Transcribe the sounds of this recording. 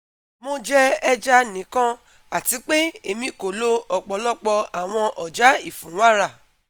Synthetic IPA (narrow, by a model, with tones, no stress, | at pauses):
mõ˧d͡ʒɛ˦ɛ˧d͡ʒa˦nĩ˨˦kã˦ | a˨ti˨˦k͡pe˦e˦˨mĩ˧ko˨lo˦ɔ˨k͡pɔ˨˦lɔ˦k͡pɔ˧a˨w̃ɔ̃˧ʔɔ˨d͡ʒa˨˦i˦˨fũ˨˦wa˦ɾa˦˨